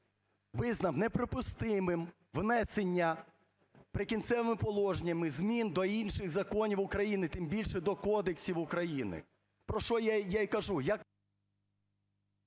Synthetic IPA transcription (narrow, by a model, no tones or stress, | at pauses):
ʋɪznɐmnepɾɔpʊst̪ɪmɪm | ʋnɛsenʲːɐ | pɾɪkʲint̪sɛʋɪmɪpɔlˠɔʒnʲɐmɪzmʲind̪ɔinʃɪɣzɐkɔnʲiwʊkɾɐjinɪt̪ɪmbʲilʲʃɛd̪ɔkɔd̪eksʲiwʊkɾɐjinɪ̰ | pɾɔʃɔjajaikɐʒujak